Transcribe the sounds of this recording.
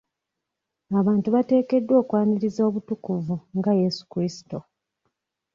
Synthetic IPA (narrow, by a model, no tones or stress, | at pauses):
aβaːntuβate̞ːke̞dːwo̞ːkwaːniɾizo̞ːβutukuvuŋɡaje̞su̥kɾisi̥to